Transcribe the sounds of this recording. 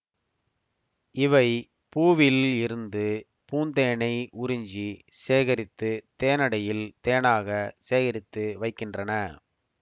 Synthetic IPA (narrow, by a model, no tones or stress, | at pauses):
ɪʋɐɪ | puːʋɪlɪɾɯnd̪ɯ | puːnd̪eːɳɐɪʔʊɾʊɲd͡ʒiseːɣɐɾɪt̪ːɯt̪eːnɐɽɐjɪlt̪eːɳaːɣɐseːɣɐɾɪt̪ːɯʋɐɪkːɪndrɐnɐ